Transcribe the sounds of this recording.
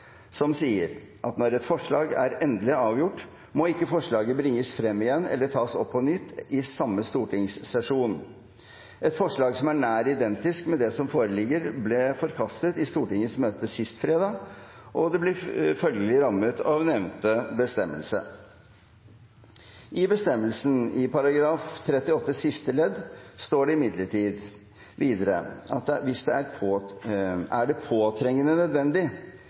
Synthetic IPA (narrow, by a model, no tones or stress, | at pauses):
sɔmsiːəɾ | ʔɑt̪nɔɾɛt̪fɔʂɭɑːɡæ̰ɾɛnd̪əlɪɑːʋjʊʈː | mɔɪkːəfɔʂɭɑːɡəbɾɪŋːəsfɾɛmːɪjɛnːɛ̰lːəʈʰɑːsɔpʰːɔnʏt̪ːɪsɑmːəst̪uːʈɪŋssɛʂuːn | ɛt̪fɔʂɭɑːɡsɔmæɳæːɾɪd̪ɛnt̪ɪskmɛd̪ɛsɔmfoːɾəlɪɡːəɾblɛfɔɾkʰɑst̪ət̪ɪst̪uːʈɪŋːəsmøːt̪əsɪst̪fɾeːd̪ɑː | ʔɔd̪ɛblɪfœlɡəlɪɾɑmːət̪ʰɑʋnɛʋnt̪əbəst̪ɛmːə̰lsə̰ | ʔɪbəst̪ɛmːəlsn̩ɪpɑɾɑɡɾɑːft̪ʰɾɛt̪ːɪɔt̪ːəsɪst̪əlɛd̪st̪oːɖɛɪmɪd̪ləʈʰiːd̪ | ʋiːd̪əɾə̰ɑt̪ʋɪsd̪ɛæɾpʰː | æɖɛpʰoːt̪ʰɾɛŋːənənœd̪ʋɛnd̪ɪ